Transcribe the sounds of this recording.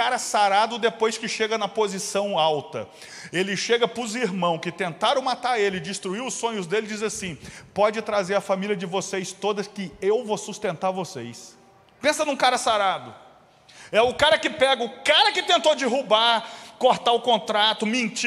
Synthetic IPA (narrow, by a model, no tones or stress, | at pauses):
aɾɐsaɾad̪ʊd̪epojskɪʃeɡɐnɐpozisɐ̃w̃awt̪ɐ̰ | elɪʃeɡɐpɾʊziɾmɐ̃w̃kɪt̪ẽnt̪aɾɐ̃w̃mat̪aɾelɪɪd͡ʒɪst̪ɾuiɾʊsːõɲʊzd̪elɪd͡ʒizɐsĩpɔd͡ʒɪt̪ɾazeɾɐfamiliɐd͡ʒɪvosejst̪od̪ɐskɪewvosust̪ẽnt̪aɾvosejs | pẽsɐnũkaɾɐsaɾad̪ʊ | ɛʊkaɾɐkɪpɛɡɐʊkaɾɐkɪt̪ẽnt̪od͡ʒɪɦubaɾkoɾt̪aʊkõnt̪ɾat̪ʊmẽnt͡ʃ